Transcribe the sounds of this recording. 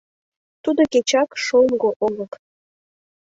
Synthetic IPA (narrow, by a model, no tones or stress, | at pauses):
t̪ud̪oket͡ɕɑkʃoŋɡoʔolək